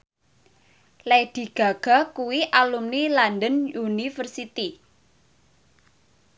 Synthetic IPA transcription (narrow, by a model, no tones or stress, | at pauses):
led̪̥i̤ɡ̥a̤ɡ̥a̤kuwiʔalumnilandənunifərsit̪i